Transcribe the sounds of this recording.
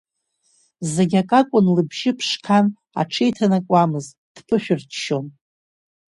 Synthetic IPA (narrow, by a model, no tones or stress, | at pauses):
zeɡʲakʼakʷʼʊnlɨbʒɪpʰʂkʰan | a̰ʈ͡ʂʰejtʰanakʷʼamɨz | d̥pʰɨʃᶣʊrtʰʃon